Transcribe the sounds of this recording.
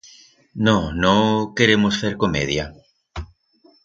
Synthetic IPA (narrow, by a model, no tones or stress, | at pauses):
nõnõŋkeɾemosfeɾkomḛðja